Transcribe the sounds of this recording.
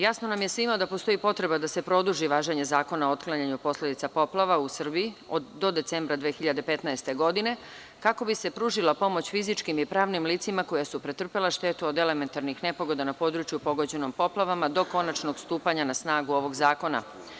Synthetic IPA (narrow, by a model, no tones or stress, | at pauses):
jasno̞namjesʋimod̪apo̞st̪o̞ipo̞t̪ɾe̞bad̪ase̞pɾo̞d̪uʒiʋaːʒeɲe̞zaːko̞naoot̪klˠaɲaɲupo̞sle̞d̪it̪sapo̞plˠaʋausr̩biiod̪o̞d̪e̞t̪se̞mbɾad̪ʋeːxiʎad̪e̞pe̞t̪naest̪e̞ɡo̞d̪ine̞ | kako̞bise̞pɾuːʒilapo̞mo̞t͡ɕfizit͡ʃkimipɾaːʋnimliːt̪simako̞jasupɾet̪r̩pelaʃt̪e̞t̪uod̪ele̞me̞nt̪aɾnixne̞po̞ɡo̞d̪anapo̞d̪ɾut͡ʃjupo̞ɡo̞d͡ʑe̞no̞mpo̞plˠaʋamad̪o̞ko̞nat͡ʃno̞ɡst̪uːpaɲanasnaːɡuo̞ʋo̞ɡzaːko̞na̰